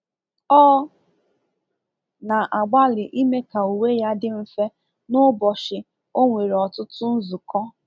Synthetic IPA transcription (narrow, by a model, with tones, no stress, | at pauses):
ɔː˦ | na˨ʔa˨ɡ͡ba˦lɪ˨ʔi˦me˦ka˨u˨we˦ja˦dɪ˦m̩˨fe˦ | nʊ˦bɔ˨ʃɪ˨ | o˦ŋʷe˨ɾɔ˨tʊ˦tʊ˦n̩˦zʊ˨kɔ˦